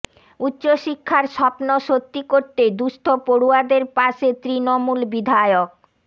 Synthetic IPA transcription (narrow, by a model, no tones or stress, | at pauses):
utːɕoʃikʰːaɾʃɔpnoʃot̪ːikoɾt̪ed̪uʃʈ̪ʰopoɽuad̪eɾpaʃet̪ɾinomulbid̪ʱajok̚